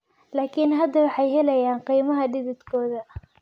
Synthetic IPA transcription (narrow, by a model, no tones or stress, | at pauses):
laːkʰinɦɐd̪ɐwɑħɑjɦɛlɐjaːnqijmɐɦɐdɪðɪd̪kʰɔːðɐ